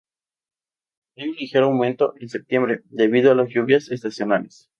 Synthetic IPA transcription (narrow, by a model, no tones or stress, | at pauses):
elmilixeɾoawmẽnt̪o̞ʔense̞p̚t̪je̞mbɾe̞d̪e̞βiðoalazjuβjases̬t̪asjonales